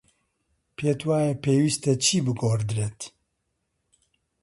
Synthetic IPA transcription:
pʰeːt̪waːjɛpʰeːwiːst̪ɛt͡ʃʰiːbɨɡoːɾd̪ɨɾɛt̪

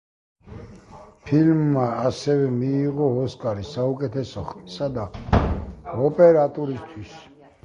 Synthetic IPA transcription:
pʰilmːaːsɛvɛmiːʁɔɔskʼaɾisaukʼɛt̪ʰɛsɔχisad̪a | ɔpʼɛɾat̪ʼuɾist̪ʰwis

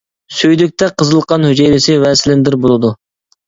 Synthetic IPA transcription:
søjd̪yk̚ʲt̪ʰɛqʰəzɨlˠqʰɑnhyd͡ʒejɾɪsɪwɛsɪlɪnd̪ɪɾbolˠɨd̪u

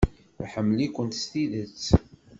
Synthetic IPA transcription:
ħəmːlikʷːənt̪st̪iðət͡sː

